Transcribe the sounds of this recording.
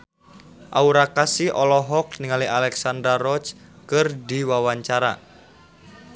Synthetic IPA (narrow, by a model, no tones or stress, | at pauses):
ʔauɾakasiʔɔlɔɦɔk̚niŋalialɛksandɾarɔt͡ʃkɨrdiwawaɲt͡ʃaɾa̰